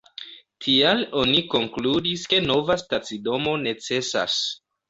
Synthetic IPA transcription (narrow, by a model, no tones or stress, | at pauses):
tʰialo̞niko̞ŋkludiske̞no̞vastat͡sido̞mo̞ne̞t͡se̞sa̰s